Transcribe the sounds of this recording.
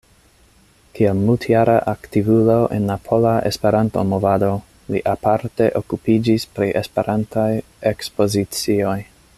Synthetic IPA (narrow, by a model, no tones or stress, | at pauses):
kielmultʰjaɾʔaʔaktivulo̞ʔḛnlapʰo̞laʔe̞̰spe̞ɾanto̞̰movado̞ | liʔapaɾte̞ʔokupid͡ʒispɾiʔe̞spe̞ɾʔantʰaj | ekspo̞zit͡sio̞j